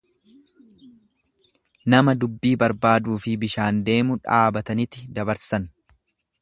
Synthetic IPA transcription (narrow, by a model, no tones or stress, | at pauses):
nɐmɐd̪ʊbːiːbɐɾbaːd̪uːfɪbɪʃaːnd̪e̞ːmʊᶑaːbɐt̪ɐnɪt̪ːɪd̪ɐbɐɾsɐn